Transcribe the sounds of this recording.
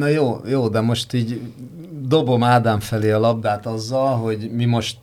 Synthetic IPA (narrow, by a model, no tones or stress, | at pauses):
nɒjoːjoːd̪ɛmo̞ʃt̪iːɟ | d̪o̞bo̞maːd̪aːɱfɛleːɒlɒbd̪aːt̪ɒzːɒlɦo̞ɟmimo̞ʃt̪